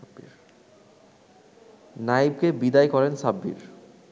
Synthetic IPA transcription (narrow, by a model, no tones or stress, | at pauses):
biɾ | naib̚kebid̪ajkɔɾensabːḭɾ